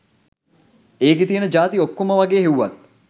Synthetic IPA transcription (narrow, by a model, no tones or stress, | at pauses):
eːk̬et̪ijənəd͡ʒaːt̪iokːoməʋaɡeːɦeʋuʋat̪